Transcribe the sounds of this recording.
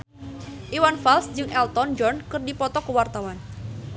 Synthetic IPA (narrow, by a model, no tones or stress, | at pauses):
ʔiwanfalsd͡ʒɨŋʔɛlt̪ɔnd͡ʒɔnkɨrdipɔt̪ɔkəwart̪awan